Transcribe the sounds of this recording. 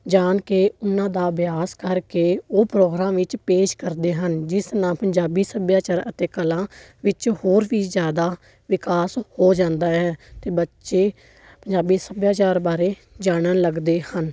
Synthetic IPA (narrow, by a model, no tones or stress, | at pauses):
d͡ʒaːnkeːʊnãːd̪aːbɪjaːskəɾkeːoːpɾoːɡɾãːmʋɪt͡ʃpeːʃkəɾd̪eːɦənd͡ʒɪst̪ɾãːpəɲd͡ʒaːbiːsəbjaːt͡ʃaːɾət̪eːkəlãː | ʋɪt͡ʃhoːɾʋiːzjaːd̪aː | ʋɪkaːshoːd͡ʒãːnd̪aːɦɛːt̪eːbətːʃeː | pəɲd͡ʒaːbiːsəbjaːt͡ʃaːɾbaːɾeː | d͡ʒaːɽ̃ənləɡd̪eːhən